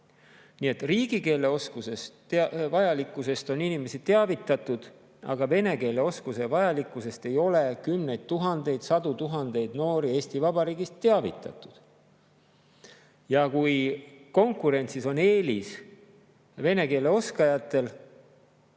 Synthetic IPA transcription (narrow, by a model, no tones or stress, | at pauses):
nie̞t̪riːɡ̥ike̞ːle̞o̞skuse̞stvɑjɑlikːˑuse̞st̪o̞ninime̞sit̪eɑvit̪ːˑɑt̪ˑud̪̥ | ɑ̰ɡ̥ɑve̞ne̞ke̞ːle̞o̞skuse̞vɑjɑlikːˑuse̞st̪e̞jo̞le̞kymne̞jd̪̥̚t̪uɦɑnd̪̥e̞jd̪̥sɑd̪̥ut̪uɦɑnd̪̥e̞jd̪no̞ːɾie̞ːsʲt̪ivɑbɑɾiːɡist̪ːe̞ɑvḭt̪ːˑɑ̰t̪ːˑu̥d̪̥ | jɑkujko̞ŋkuɾe̞nʲt̪siso̞ne̞ːlis | ve̞ne̞ke̞ːle̞o̞skɑjɑt̪ˑːe̞l